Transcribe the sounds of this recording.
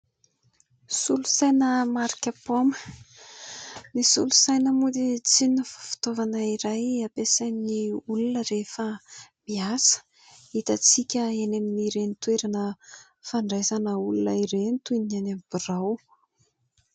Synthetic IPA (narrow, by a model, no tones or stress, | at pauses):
sulusajnəmaɾikʲəpomə̥ | nisṵlusajnəmud̪it͡sinnəfḁfu̥t̪ovanəiɾajapesaniniulunəɾefəmbiasə̥ | it̪at͡sikʲəeneminiɾenit̪weɾanə | faɳɖ͡ʐezanəulunəiɾent̪unianamb̥iraw